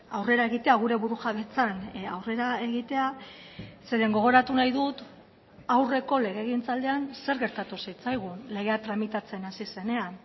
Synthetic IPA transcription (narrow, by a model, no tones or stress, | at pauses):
awre̞ɾaeɣit̪e̞aɣ̞uɾe̞βuɾuʝaβe̞t͡sanawre̞ɾae̞ɣit̪e̞a | se̞ɾe̞ŋɡo̞ɣ̞o̞ɾat̪unajðut̪ | awre̞ko̞le̞ɣ̞e̞ːɣint͡sald̪e̞anse̞ɾɣe̞ɾt̪at̪usit͡sajɣ̞ule̞ɣ̞eat̪ɾamit̪at͡se̞nasise̞ne̞an